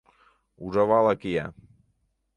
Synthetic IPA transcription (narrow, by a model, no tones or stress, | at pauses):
uzaβalakia̰